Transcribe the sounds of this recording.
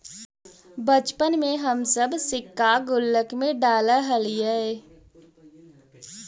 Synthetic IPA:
bət͡ʃpənmẽɦɐmsɐbsɪkːaɡʊlːəkmẽɖaːlaɦɐliɛe

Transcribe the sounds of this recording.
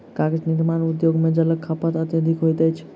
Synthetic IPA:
kaɡed͡ʒnid̪manud̪joɡmed͡ʒələkʰapət̪ət̪jəd̪ʱikɦojt̪ɛjt͡ʃʰ

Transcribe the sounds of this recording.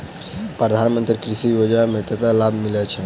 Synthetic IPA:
pɾəd̪ʱanmənt̪ɾikɾisijod͡ʒnamet̪ət̪alabʱmilɛt͡ʃʰɛ

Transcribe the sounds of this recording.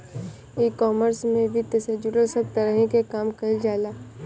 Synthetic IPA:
iːkɔːməɾsmẽʋɪd̪jəseːd͡ʒuɾəɾsəb̚t̪ɐɾəɦĩkekaːmkɐɪld͡ʒaːlaː

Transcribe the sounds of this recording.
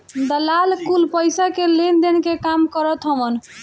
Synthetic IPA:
d̪əlalkulpəjsakelend̪enkekamkəɾət̪ɦəbən

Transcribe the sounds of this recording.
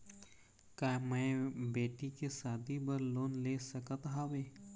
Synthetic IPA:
kaːmɛ̃ːbeːʈikesaːd̪ʱibɐɾloːnleːsɐkat̪ɦaːʋeː

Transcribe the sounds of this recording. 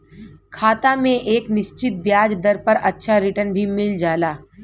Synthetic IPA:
kʰaːt̪amẽʔeːknɪʃt͡ʃɪt̪̚bjaːd͡ʒd̪ɐɾpɐɾɐtːʃʰaɾɪʈənbʱimɪld͡ʒaːlaː

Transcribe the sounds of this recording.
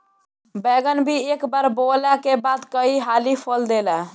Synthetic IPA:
bɛɡənbʱiekbaɾbolɛkebad̪kəiɦalipʰəld̪elɛ

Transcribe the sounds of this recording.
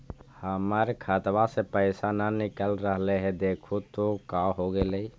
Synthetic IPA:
həməɾkʰat̪wasepəɪsananɪkəlɾəɦleɦɛd̪eːkʰut̪okaɦoɡeləi

